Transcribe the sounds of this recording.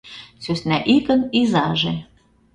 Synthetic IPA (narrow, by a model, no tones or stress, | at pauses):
søsnæʔikə̆nizɑʒe